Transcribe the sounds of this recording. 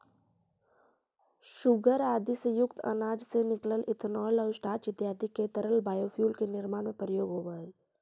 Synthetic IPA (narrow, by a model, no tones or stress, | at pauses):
ʃʊɡəɾaːd̪isejʊkt̪ə̰naːd͡ʒsenɪkləlʔɪt̪ʰnɔːləːsʈaːt͡ʃɪt̪jaːd̪iket̪əɾəlbaːjoːpʰjuːlkenɪɾmaːnmẽpɾəjoːɡɦoːʋə